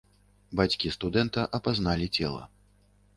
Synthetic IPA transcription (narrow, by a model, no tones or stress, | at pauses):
bat͡sʲkʲist̪ud̪ɛnt̪ɐʔɐpaznalʲit͡sʲɛ̰lˠɐ̰